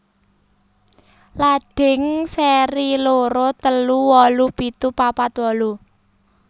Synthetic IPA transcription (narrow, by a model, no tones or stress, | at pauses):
laɖ̥ɪ̤ŋsɛɾiloɾot̪əluwɔlupit̪upapat̪wɔlu